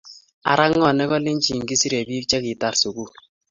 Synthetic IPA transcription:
a̰˨ɾa˦ŋːɔ˦˨nɛ˦kɔ˦lɪ˦nt͡ʃi˨ŋɡi˦si˦ɾe˨bi˦kt͡ʃɛ˦kɪ˨ta˨ɾsu˨ku˦

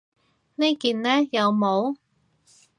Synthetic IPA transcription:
ne˥jkiː˨nlɛː˥jɐ˨˧wmo˨˧w

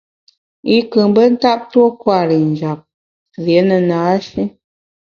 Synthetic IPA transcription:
i˦kɨ˨m˦bə˦n̩˦ta˦p̚two˦kwa˦˨ɾi˨n̩˨d͡ʒa˨p̚ | zje˨˦nə˨naː˨˦ʃi˦

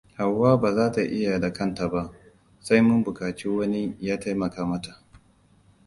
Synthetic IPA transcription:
ha˨wːaː˦baː˨zaː˦ta˨ʔɪ˦ja˨da˨kɐ˦˨nta˨ba˦ʔ | sa˦jmʊ˦mbʊ˨kaː˨t͡ʃiː˦wɐ˦ni˦jaː˦ta˦jmɐ˨kaː˦mɐ˦ta˨ʔ

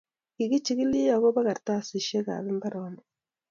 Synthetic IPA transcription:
i˨ɣi˦t͡ʃi˦ɣi˦li˦ja˨ɣo˦βa˦ɣa˨ɾta˦si˨ʃe˦ka̰˨βi˦mba˦ɾoni

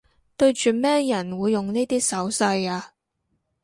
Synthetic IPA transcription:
t̪ɵ˧ɥt͡ʃyː˨mɛː˥jɐ˨˩nwuː˨˧jːʊ˨˩ŋniː˥t̪iː˥sɐ˨˥wsɐ˧jaː˧

